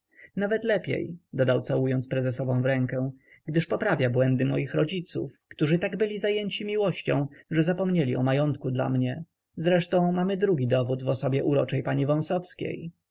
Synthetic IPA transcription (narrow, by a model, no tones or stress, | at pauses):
navɛt̪lɛpʲjḛjd̪ɔd̪awt̪sawujɔnt̪spɾɛzɛsɔvɔ̃w̃vɾɛŋkɛw̃ | ɡd̪ɘʂpɔpɾavʲjabwɛnd̪ɘmɔjixɾɔd͡ʑit̪sṵfkt̪uʐɘt̪aɡbɘlʲizajɛɲt͡ɕimʲiwɔɕt͡ɕɔ̃w̃ʐɛzapɔmɲelʲiɔmajɔnt̪kud̪la̰mɲɛ | zɾɛʂt̪ɔ̃w̃mamɘd̪ɾuɡʲid̪ɔvud̪vɔsɔbʲjɛʔuɾɔt͡ʂɛjpaɲivɔ̃sɔfskʲḛj